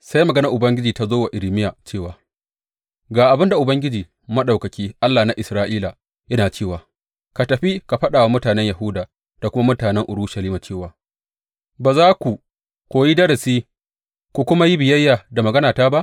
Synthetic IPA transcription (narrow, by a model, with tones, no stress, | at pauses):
sa˦jmɐ˨ɡɐ˦nɐ˨ʔʊ˨bɐ˦ŋɡʲɪ˦d͡ʒiː˨ta˦zoː˦wa˨ʔɪ˨lɪ˨mɪ˦jaː˨t͡ʃeː˦˨waː˨ | ɡaː˨ʔa˨bɪ˦nda˨ʔʊ˨bɐ˦ŋɡʲɪ˦d͡ʒiː˨ | mɐ˦ɗa˨wkɐ˨kʲiː˦ʔa˦lːaː˨na˦ʔɪ˨sɾaː˦ʔiː˦la˨ | jɐ˦naː˨t͡ʃeː˦˨waː˨ | ka˨tɐ˨ɸi˦ka˨ɸɐ˦ɗaː˨wa˦mʊ˦taː˨nɛ˦ɲjɐ˨ɦʊ˦daː˨ | d̥a˨kʷʊ˦ma˦mʊ˦taː˨nɛ˦ŋʔʊ˨ɽuː˦ʃɐ˨liː˦ma˨t͡ʃeː˦˨waː˨ | baː˨zaː˦kʷu˨ | kʷoː˨ji˦dɐ˦ɾɐ˨siː˦ | kʷu˨kʷʊ˦ma˦ji˦bɪ˨jɐ˦jːaː˨da˨mɐ˨ɡɐ˦naː˨taː˦ba˦ʔ